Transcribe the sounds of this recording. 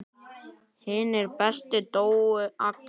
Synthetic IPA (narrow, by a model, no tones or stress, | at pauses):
hɪːnɪɾpɛst̪ɪt̪oːwʏʔak̪